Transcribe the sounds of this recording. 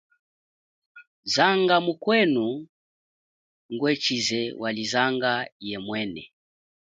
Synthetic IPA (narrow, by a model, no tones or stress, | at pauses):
zaŋɡamukwɛnu | ŋɡwɛt͡ʃizɛwʔalizaŋɡajɛmwɛnɛ̰